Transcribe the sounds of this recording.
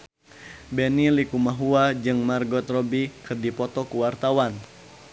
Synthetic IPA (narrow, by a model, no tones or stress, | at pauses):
bɛnilikumaɦuad͡ʒɨŋmarɡɔt̪rɔbikɨrdipɔt̪ɔkuwart̪awan